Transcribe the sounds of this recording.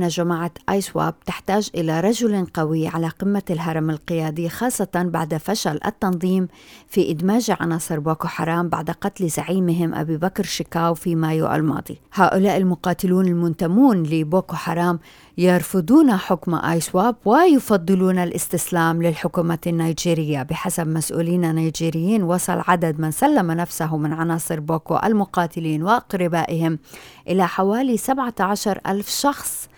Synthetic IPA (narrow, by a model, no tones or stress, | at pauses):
naʒamaʕaʔaːjswa̰ːb̚t̪ɪħt̪aːʒʔɪlaɾˤɑʒʊlqɑwiʕalaqɪmːalɦɑɾˤɑmalqɪjaːd̪ˤixɑːsˤːɑt̪ɑnba̰ʕd̪faʃalʔa̰t̪ːɑnðˤiːm | fiʔɪd̪maːʒɪʕa̰nɑːsˤɨɾˤboːkoħɑ̰ɾˤɑːmba̰ʕd̪aqɑt̪lzaʕiːmɪɦɪmʔa̰biːbakɾʃɪkaːwfimaːjṵʔa̰lmɑ̰ːd̪ˤḭhaːʔʊlaːʔɪlmʊqɑːt̪ɪluːnɪlmʊnt̪amuːnlɪboːkoħɑɾˤɑːm | jɑɾˤfɨd̪ˤuːnaħʊkma̰ʔa̰jswaːbwajɪfɑd̪ˤːɨluːnalʔɪst̪ɪslaːmlɪlħʊkuːmanːajd͡ʒiːɾɪjːabɪħasabmasʔṵːliːnanaːd͡ʒiːɾɪjːiːnwɑsˤɑ̰lʕad̪ad̪mɪnsalːamanafsaɦʊmːɪnʕanɑːsˤɨɾboːko̰ʔa̰lmʊqɑːt̪ɪliːnwɪʔɑqɾɪbaːʔɪhɪmʔɪlaħawaːlisabʕaʕaʃɑɾˤʔa̰lfʃɑxsˤ